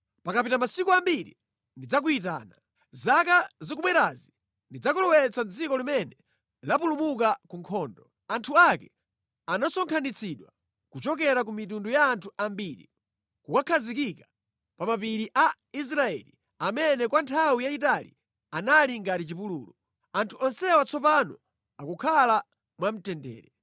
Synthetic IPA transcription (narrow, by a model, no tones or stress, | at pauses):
pakapitamasikuambiɾḭ | ndid͡zak̬uit̬a̰ːna | zakazik̬umɛɾazi | ndid͡zakulɔwɛt͡sʰand͡zikɔlimɛnɛ | lapulumukakuŋkʰɔːndɔ | antʰuakɛ | anasɔŋkʰanit͡sʰiɗwa | kut͡ʃɔk̬ɛɾak̬umitundujaːntʰuʔambiɾḭ | kukakʰazikika | pamapiɾiʔa | is̬ɾaɛ̰li | amɛnɛkwantʰawijaitalḭ | analiŋɡatit͡ʃipuluːlɔ | antʰuʔɔnsɛwat͡sʰɔpanɔ | akukʰala | mwam̩tɛndɛ̰ːɾɛ